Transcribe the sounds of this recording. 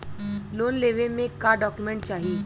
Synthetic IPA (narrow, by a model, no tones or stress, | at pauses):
loːnleːʋemẽkaɖɔːkjumẽːɳʈ̚t͡ʃaːɦie